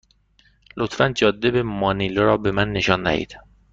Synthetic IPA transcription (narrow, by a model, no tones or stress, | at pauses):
lot̪fænd͡ʒɒːd̪ːebemɒːniloɾɒːbe̞mænːe̞ʃɒːnd̪æ̰hḭːd̪̥